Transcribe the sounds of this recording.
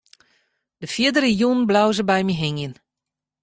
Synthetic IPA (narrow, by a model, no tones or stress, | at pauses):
d̥əfjiədəɾəjunn̩blawzəbɛjmiɦɪŋjən